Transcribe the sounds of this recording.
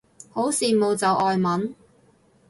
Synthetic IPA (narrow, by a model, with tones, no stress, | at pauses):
ho˨˥wsiː˨mo˨˧wt͡sɐ˨˧wʔɔː˨jmɐ˨˥n